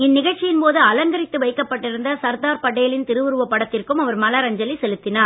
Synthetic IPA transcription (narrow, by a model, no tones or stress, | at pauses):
ɪnːɪɣɐɭt͡ʃːɪjɪnpoːðɯɐlɐŋɡɐɾɪt̪ːɯʋɐɪkːɐpːɐʈːɪɾɯnd̪ɐsɐɾd̪aːɾpɐɽːɐjɐlɪnt̪ɪɾɯʋɯɾɯʋɐpːɐɽɐt̪ːɪrkɯmɐʋɐɾmɐlaːɾɐɲd͡ʒɐlisɛlɯt̪ːɪnaːɾ